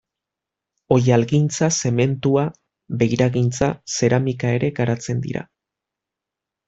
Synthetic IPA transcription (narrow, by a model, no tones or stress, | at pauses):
o̞jalɣint͡sase̞me̞nt̪ua | βe̞jɾaɣint͡sase̞ɾamikae̞ɾe̞ɡaɾat͡se̞nd̪ḭɾa̰